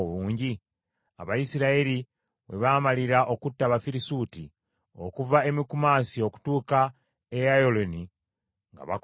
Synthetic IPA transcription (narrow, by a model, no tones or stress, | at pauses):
oβuːɲɟi | a̰βajisiɾaeɾi | βe̞̰βaːmaliɾaʔo̞kutːaβafiɾisuːti | o̞̰kuvae̞mikumaːsio̞ku̥tuːka | ejajoloni | ŋɡa̰βa